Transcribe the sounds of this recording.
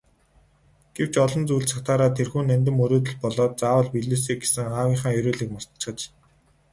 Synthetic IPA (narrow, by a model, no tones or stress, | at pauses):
ɡ̥ew̥t͡ɕɔɮɞ̆nt͡sujɮsḁkt̪aːɾaːt̪ʰerxuːnːænʲt̪̬ɘ̆mɵɾoːt̪̬ɵ̆ɮpɔɮɔːt̪̚t͡saːwə̆ɮpiɮuːs̬iːɡe̥sɘ̆ŋχaːwʲiːɴχaːŋjɵɾoːɮiːk̚mɔst̪̆t͡ɕχə̆t͡ɕ